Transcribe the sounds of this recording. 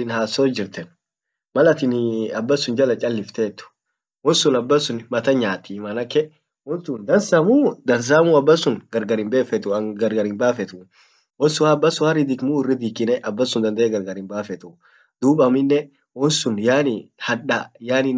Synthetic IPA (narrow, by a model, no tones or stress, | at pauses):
ɪnhaːsːoːd͡ʒɪɾt̪ɛn | mɐlɐt̪ɪnɐbːɐsːʊnd͡ʒɐlɐt͡ʃʼɐlːɪft̪eːt̪ːʊ̥ | wɔsːʊnɐbːɐsːʊnmɐt̪ɐɲaːt̪ːimɐnɐkːɛ | wɔnt̪und̪ɐnsɐmuːd̪ɐns̬aːmuɐbːɐsʊnɡɐɾɡɐɾɪmbe̞ːfɛt̪ʊɡɐɾɡɐɾɪnbaːfɛt̪ʊ | wɔsːʊhabːɐsʊhɐrɪd̪ɪkmurɪd̪ikɪnɛʔɐbːɐsʊnd̪ɐnd̪ɐɛɡɐɾɡɐɾɪnbaːfɛt̪ʊ | d̪uːbɐmɪnːɛ | wɔsʊnjaːnɪhɐᶑɐjaːnɪn